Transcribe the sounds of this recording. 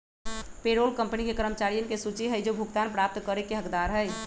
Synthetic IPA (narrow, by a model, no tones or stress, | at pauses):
peɾolkəmpnikekəɾəmət͡ʃaɾijənkesut͡ʃiɦəjd͡ʒobʱuɡt̪anpɾap̚t̪kəɾekeɦəkd̪aɾɦəj